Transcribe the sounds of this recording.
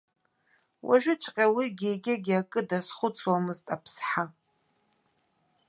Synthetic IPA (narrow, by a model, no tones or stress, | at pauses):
wʔa̰ʒʷɨt͡ʃʷʰʼqʲʼawiɡʲeɡʲɪɡʲakʼɨdasχʷʊt͡sʰʼwamɨztʼapʰsħa